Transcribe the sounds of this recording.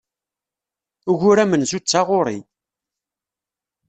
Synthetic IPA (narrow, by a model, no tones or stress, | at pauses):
ʊʝʊɾæmənzut͡sːaʁʊɾˤḭ